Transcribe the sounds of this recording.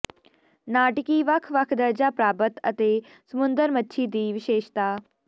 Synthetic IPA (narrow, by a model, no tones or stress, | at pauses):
naːʈkiːʋɐkʰʋɐkʰd̪ɐɾd͡ʑapɾaːbət̪ɐt̪e | səmund̪əɾmət̪ːʃʰiːd̪iːʋɪʃeːʃt̪aː